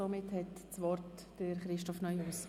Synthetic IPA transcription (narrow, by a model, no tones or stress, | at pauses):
ɔmɪthɛtt͡sʋɔrt | d̥əɾχɾɪʃtɔfnœʏuːs